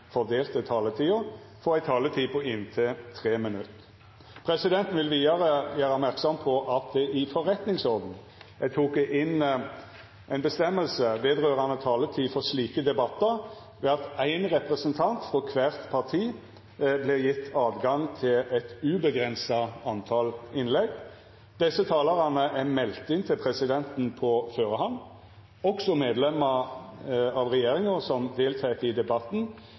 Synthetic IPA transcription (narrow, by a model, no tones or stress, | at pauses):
fɔʁd̪eːlt̪ət̪ʰɑːlət̪ʰiːʊ | fɔʁæɪt̪ʰɑːlət̪ʰiːpʰɔɪnt̪ʰɛt̪ʰʁeːmənʉt̪ː | pʰɾɛsɪd̪ɛnt̪n̩ʋɪlʋiːɑʁəjæːʁɑmæʁksɔmpʰɔʔɑt̪̚d̪ɛʔɪfɔʁɛt̪nɪŋsɔʁd̪n̩ | æt̪ʰuːkʔɪn | ʔæɪnbəst̪ɛmːəlsəʋeːd̪ʁøːʁɑnət̪ʰɑːlət̪ʰiːfɔsliːkəd̪ɛbɑt̪ːəɾ | ʋɛɑt̪æɪnɾɛpɾɛsənt̪ʰɑnt̪fɾɔkʰʋæːʁt̪pʰɑʁt̪ʰiː | blɪɾjɪt̪ːɑːd̪ɡɑŋt̪ʰɪlɛt̪ʉbəɡɾɛnsɑɑnt̪ʰɑːlɪnlɛɡ | d̪̥ɛsːət̪ʰɑːləʁɑnəʔæmɛlt̪ɪnt̪ʰɪlpʰɾɛsɪd̪ɛnt̪n̩pʰɔføːɾəhɑn | ɔksɔmeːd̪lɛməɾ | ɑʋʁɛjeːɾɪŋəsɔmd̪eːlt̪ʰæɪt̪ɪd̪ɛbɑt̪n̩